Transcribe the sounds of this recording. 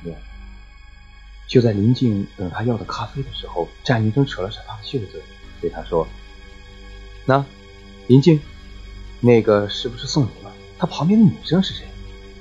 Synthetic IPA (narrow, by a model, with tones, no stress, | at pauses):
ɛ˥˩ | t͡ɕjo˥˧ʊt͡sa˥˩ɪli˧˥nt͡ɕi˥˩ŋt̪ɤ˨˩ŋt̪ʰa˥jɑ˥˩ʊd̪ə˩kʰa˥fe˥ɪd̪ə˨˩ʂɻ̩˧˥xo˥˧ʊʈ͡ʂa˥˩nli˧˥ʈ͡ʂʊ˥ŋʈ͡ʂʰɤ˨˩lə˦ʂa˨˩t̪ʰa˥d̪ə˧ɕʰɛ˥˩ə˧˩t͡swɛ˥˩t̪we˥˩ɪa˥ʂwɔ˥ | na˥˩ | li˧˥nt͡ɕi˥˧ŋ | ne˥˩ɪɡə˩ʂɻ̩˥˩pu˩ʂɻ̩˥˧sʊ˥˩ŋu˧˥lə˧ | t̪ʰa˥pʰɑ˧˥ŋmjɛ˥˩nd̪ə˧ni˨˩ʂɤ˥ŋʂɻ̩˥˩ʂe˧˥j